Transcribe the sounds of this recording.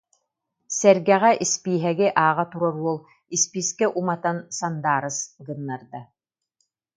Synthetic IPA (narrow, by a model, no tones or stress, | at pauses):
sɛɾɡɛʁɛʔispiːɦɛɡiʔaːʁat̪uɾɔɾuɔlˠ | ispiskɛʔumat̪ansand̪aːɾɯsɡɯnːaɾd̪a